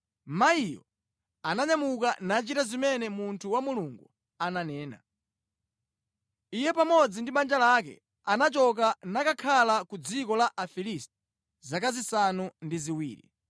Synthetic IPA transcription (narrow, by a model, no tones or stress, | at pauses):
maijɔ̰ | anaɲamukanat͡ʃitazimɛnɛmuntʰuwamuluŋɡu | ananɛːna̰ | ijɛpamɔd͡zindiɓand͡ʒalakɛ̰ | anat͡ʃɔk̬anakakʰalakud͡zikɔlaʔafilistɛ̥ | zakazisanundiziwḭːɾḭ